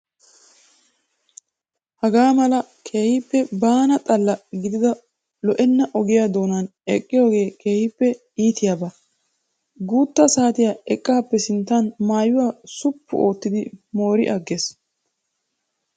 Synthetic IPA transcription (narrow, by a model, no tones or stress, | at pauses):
hɐɡaːmɐlɐkʰe̞ːhɪpːɛbaːnɐt̪ʼɐlːɐɡɪd̪ɪd̪ɐ | lɔʔɛnːɐʔɔɡɪjaːd̪o̞ːnanɛkʼːɪjoːɡe̞ːke̞ːhɪpːɛ | iːt̪ɪjaːbɐ | ɡuːt̪ːɐsaːt̪ɪjaɛkʼːaːpːɛsɪnt̪ːanmaːjʊwaːsʊpːʊ̰o̞ːt̪ːɪd̪ɪmo̞ːɾɪ̰ʔɐɡːeːs